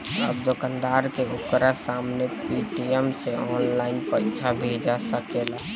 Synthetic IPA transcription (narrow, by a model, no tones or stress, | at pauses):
əbd̪okənd̪aɾkeokɾasamnepiʈiɛmseɔːnlaɪinpəɪt͡ʃʰabʱed͡ʒasəkela